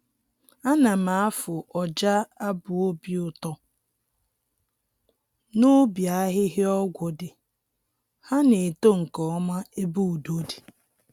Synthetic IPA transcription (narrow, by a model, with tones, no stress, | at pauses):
a˦na˨ma˨a˦fʊ˨ʔɔ˨d͡ʒa˦a˦bʊ˨o˦bi˨˦ʊ˨tɔ˦ | nʊ˦bja˦ɦɪ˦ɦɪ˦ɔ˦ɡʷʊ˨dɪ˨ | ha˦ne˨to˦ŋ̩˨kɔ˨˦ma˦e˦bu˦u˨do˦di̥˨